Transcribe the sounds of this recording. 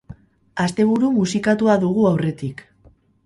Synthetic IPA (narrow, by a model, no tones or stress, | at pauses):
ast̪e̞β̞uɾumusikat̪uaðuɣ̞uawre̞t̪ik